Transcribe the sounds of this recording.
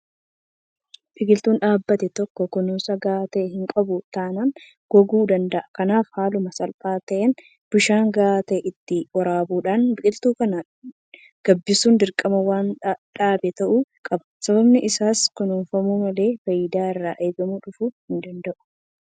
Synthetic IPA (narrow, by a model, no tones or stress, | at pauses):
bɪkʼɪlt̪uːnᶑaːbːɐt̪ɛt̪ɔkːɔkʊnuːsɐɡaːt̪ɐɦɪŋkʼɐbʊt̪aːnɐːn | ɡ̥ɔɡuːd̪ɐnd̪ɐʔɐkɐnaːfhaːlʊmɐsɐlpʼaːt̪ɐʔɛn | b̥ʊʃaːŋɡaːt̪ɐʔɪt̪ːɪwɐɾaːbuːᶑaːnbɪkʼɪlt̪uːkɐnɐ | ɡ̥ɐbːɪsuːnd̪ɪɾkʼɐmɐwaːnᶑaːbɛt̪ɐʔuːkʼɐbɐsɐbɐbnɪʔɪsaːskʊnunfɐmumɐle̞ːfɐjd̪aːɪrːaːʔeːbɐmuᶑʊfuhɪnd̪ɐnd̪ɐʔʊ̥